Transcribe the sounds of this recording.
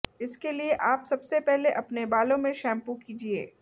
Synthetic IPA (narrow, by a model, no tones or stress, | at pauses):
ɪskelieʔaːpsɐbsepɛɦleʔɐpnebaːlõmẽʃɛ̃ːmpukiːd͡ʒiḛː